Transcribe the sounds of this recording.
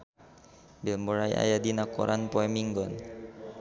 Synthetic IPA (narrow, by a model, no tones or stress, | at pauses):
bɛlmbɔɹaja̰jad̪inakɔ̰ɾʔanpɔɛmiŋɡɔn